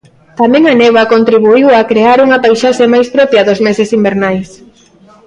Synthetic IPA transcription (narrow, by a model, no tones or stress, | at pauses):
t̪amɛ̃ŋanewɐkont̪ɾiβuiwakɾeaɾuŋɐpajʃaʃemajspɾɔpjɐðʊzmesɪsimbeɾnajs